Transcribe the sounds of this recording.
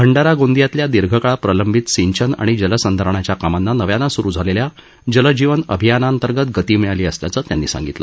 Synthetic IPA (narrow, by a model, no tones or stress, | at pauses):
bʰʱəɳɖaɾaɡond̪ijat̪ljad̪iɾɡʱəkaɭapɾələmbʱit̪siɲt͡ɕʰəna̰ɽ̃id͡ʑələsənd̪ʱəɾəɳat͡ɕjakamanːanəʋjanːasuɾuːd͡zʱalelja | d͡ʑələd͡ʑiʋənə̰bʱijanaənt̪əɾɡət̪ɡət̪iːmiɭaliːəsljat͡səːt̪janːḭːsa̰ŋɡit̪lə̰